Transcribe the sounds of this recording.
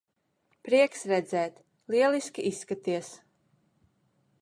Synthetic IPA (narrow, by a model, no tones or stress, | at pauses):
pɾiɛksɾɛd̪zɛːt̪ | lˠiɛlˠiskʲiʔisːkat̪iɛs